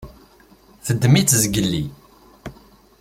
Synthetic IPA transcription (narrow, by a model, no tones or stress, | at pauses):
θəd̪ːmit͡s̪ːzɡəlːḭ